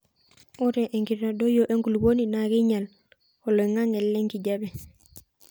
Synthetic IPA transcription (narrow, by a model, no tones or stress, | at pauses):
uɾeʔeŋɡiɾadojoʔeŋɡulboninaɡiɲal | koloŋaŋelːeŋkiɟabe